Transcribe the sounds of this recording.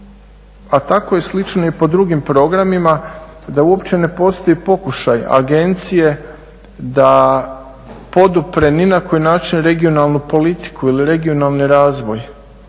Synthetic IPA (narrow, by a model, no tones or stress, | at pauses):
at̪ako̞je̞slit͡ʃnoipo̞d̪ɾuɡimpɾo̞ɡɾamima | d̪auo̞pt͡ɕe̞ne̞po̞st̪o̞ipo̞kuʃaja̰ɡe̞nt̪sije̞ | d̪a | po̞d̪upɾe̞ninako̞jnaːt͡ʃinɾe̞ɡio̞nalˠnupo̞lit̪i̥kuiliɾe̞ɡio̞nalˠniɾaːzʋo̞j